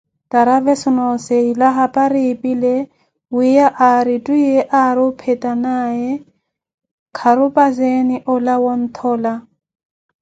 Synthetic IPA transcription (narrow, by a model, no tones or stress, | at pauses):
tʼaɾavɛsʊnɔseilaɦapʼaɾɪːpʼile | wɪjaʔaɾɪtʼuieʔaɾɪpʰɛtʼanaɛ | kʰaɾʊpʼazenɪʔʊlawɔn̩t̪ʰɔːla